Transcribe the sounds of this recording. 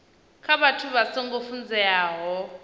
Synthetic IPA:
kʰaβatʰuβaseŋɡofund͡zɛaːɦɔ

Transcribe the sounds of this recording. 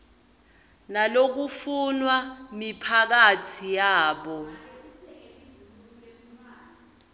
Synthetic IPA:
nalok̬ufunwamipʰak̬atʰijaːɓɔ

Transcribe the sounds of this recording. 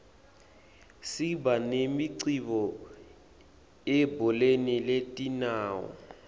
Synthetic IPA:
sibanemiǀiβɔ | ɛbɔleniletʼinaːwɔ̰

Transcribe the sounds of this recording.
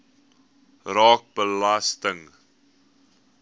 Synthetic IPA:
rɑːk̚bəlastəŋ

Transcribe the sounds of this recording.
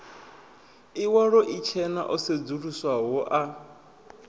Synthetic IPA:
iwaɺɔʔit͡ʃʰɛna̰ʔɔsed͡zuɺuswaɦɔʔa

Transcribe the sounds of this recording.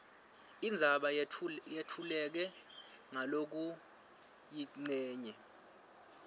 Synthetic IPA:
ind͡zʱaɓajetʰulɛk̬ɛŋalok̬u | jiŋ͡ǀɛːɲɛ

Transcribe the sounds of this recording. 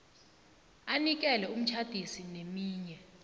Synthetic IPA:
anik̬ɛlɛum̩t͡ʃʰad̥ʱisinemiːɲɛ

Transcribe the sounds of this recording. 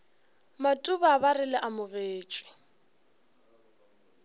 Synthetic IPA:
matʼubaːbarɪlɪʔamʊɣeːt͡ʃʼwɪ̥

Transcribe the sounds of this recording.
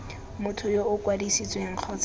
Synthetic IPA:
mʊtʰʊjoʊkwadisit͡sʼweŋ̩q͡χʰɔt͡s

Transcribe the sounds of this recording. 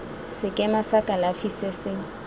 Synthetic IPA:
sɪkʼɛmasakʼalafisɛsɪŋ̩

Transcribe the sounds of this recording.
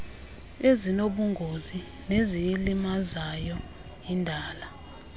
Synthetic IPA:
ezinoɓuŋɡʱozi | nezijilimazajɔ | indʱaːla

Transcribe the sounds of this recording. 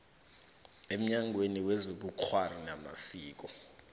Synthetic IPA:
em̩ɲaŋʱweniwɛzoɓuǃʰwarinama̰siːk̬ɔ

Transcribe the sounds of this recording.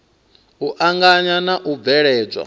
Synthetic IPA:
uʔaŋɡaɲanaʔub̪vɛɺɛːd͡zʷwa̰

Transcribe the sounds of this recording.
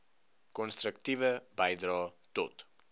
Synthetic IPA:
kɔnst̪ɾək̚tivəbɛjdrɑːtɔt

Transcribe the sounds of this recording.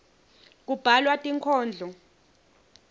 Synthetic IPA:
k̬ub̥ʱalwatʼiŋkʰɔːnd͡ɮʱɔ

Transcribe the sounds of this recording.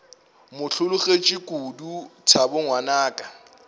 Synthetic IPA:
mʊɬʰʊlʊχet͡ʃʼɪkʼudut͡sʰabʊŋwanaːkʼa

